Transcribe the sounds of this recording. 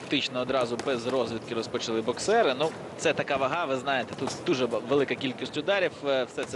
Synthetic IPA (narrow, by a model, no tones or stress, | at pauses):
ɐkt̪ɪt͡ʃnɔːd̪ɾɑzʊbɛzrɔzʋʲit̪kɪɾɔspɔt͡ʃɐlˠɪbɔksɛɾɪnu | t̪sɛt̪ɐkɑʋɐɦɑʋɪznɑjet̪ɛt̪ut̪d̪uʒɛʋelˠɪkɐkʲilʲkʲisʲtʲʊd̪ɑɾʲiwwsɛt̪sɛ